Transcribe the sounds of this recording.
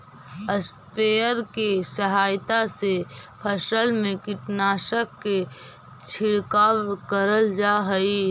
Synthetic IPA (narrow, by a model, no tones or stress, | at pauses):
əspʰejəɾkesəɦaːjt̪asepʰəsəlmẽkɪʈnaːʃəkːe | t͡ʃʰɪɽkaːwkəɾəld͡ʒaɦəi